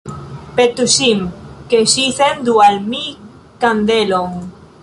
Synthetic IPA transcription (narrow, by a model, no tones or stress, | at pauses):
pet̪usimkesiθend̪ualmi | kand̪eloŋ